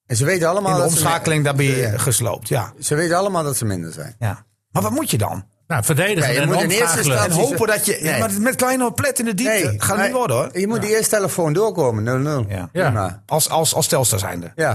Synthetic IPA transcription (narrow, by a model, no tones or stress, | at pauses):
ɛnsəʋeːtənalˠəmaːlˠədomsxaːkəlɪŋdabiχəslo̰wp̚tʰja̰səʋetɑlˠəmaːlˠdɔtsəmɪndərzɛ̰jnja | marʋɔt̚mutjədɔ̰n | nafədeːdəjajəmunɪsənɦoːpədɔtjəjmamɛtklɛjnəəplɛtɪndəditːxaəitʋodəorjəmutdəɪəsteləfoːndoəkoːmənølˠnølˠja̰ma̰ʔɔlˠsɔlˠsɔlˠstɛlˠstəsɛ̰jndəja